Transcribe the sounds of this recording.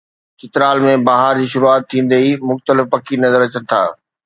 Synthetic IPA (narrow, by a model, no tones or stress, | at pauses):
t͡ɕɪt̪ɪɾaːlmẽbaːɦaɾd͡ʑiːʃʊɾuaːt̪ʰːĩːn̆d̪eimʊxt̪əlɪfpɐkʰinɐzəɾɐt͡ɕən̆t̪ʰa̰ː